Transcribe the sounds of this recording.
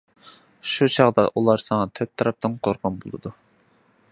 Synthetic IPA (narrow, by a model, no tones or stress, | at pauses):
ʃut͡ʃʰɑʁd̪ɑʔulˠɑɾsɑŋɑt̪ʰøp̚t̪ʰːɑɾɑp̚t̪ɨnqʰoɾqʰɑnbolˠɨ̰d̪u